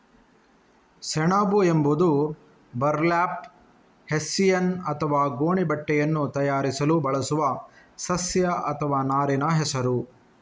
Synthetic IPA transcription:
sɛɳaːbuembud̪u | bɐɾlaːp | hesːijɐnɐt̪ʰɐʋaːɡoːɳibɐʈːɛjɐnːut̪ɐjaːɾisɐlubɐɭɐsuʋɐ | sɐsjɐʔɐt̪ʰɐʋaːnaːɾinɐɦɛsɐɾu

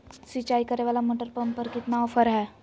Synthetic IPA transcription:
sit͡ʃaikəɾeʋaːlamoːʈəɾpəmpəɾkɪt̪naɔfəɾɦɛː

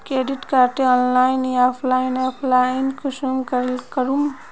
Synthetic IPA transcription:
kɾeɖiʈkaɾʈeɔnlajnjapʰlajnapʰlainkʰusumkəɾlkəɾum

